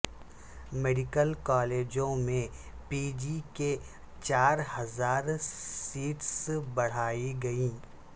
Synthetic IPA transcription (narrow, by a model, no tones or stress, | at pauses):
meɖɪkəlkɔːleːd͡ʒõmẽ | piːd͡ʒike | t͡ʃaːɾhɐzaːɾsiːʈsbɐɽ̤aːiɡɐiː